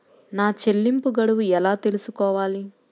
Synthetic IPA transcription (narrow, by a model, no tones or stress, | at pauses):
naːt͡ʃe̞lːimpuɡɐɽuʋuɛlaːt̪e̞lusukɔːʋaːli